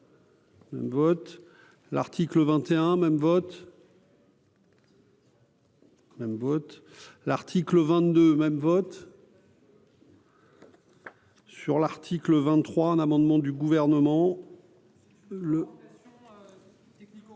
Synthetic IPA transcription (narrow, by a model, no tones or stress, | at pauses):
mɛ̰mvɔt̪ | la̰ʁt̪ʰikləvɛ̃t̪eɛ̃mɛmvɔt̪ | mɛmvɔt̪ | laʁt̪ʰikləvɛ̃t̪̚d̪ømɛmvɔt̪ | syʁlaʁt̪ʰikləvɛ̃nt̪ːχwaɛ̃namɑ̃d̪mɑ̃d̪yɡuvɛʁnəmɑ̃ | lə